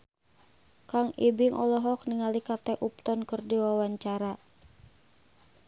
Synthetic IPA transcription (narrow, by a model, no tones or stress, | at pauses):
kaŋibiŋʔɔlɔɦɔk̚niŋalikat̪ɛʔup̚t̪ɔnkɨrdiwawaɲt͡ʃaɾa